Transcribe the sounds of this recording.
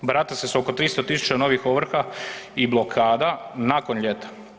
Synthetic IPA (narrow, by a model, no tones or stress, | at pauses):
bɾat̪asesoko̞t̪ɾiːst̪ot̪isu̥t͡ʃano̞ʋixoʋr̩xaiblo̞kʰaːd̪anako̞nʎe̞t̪ḁ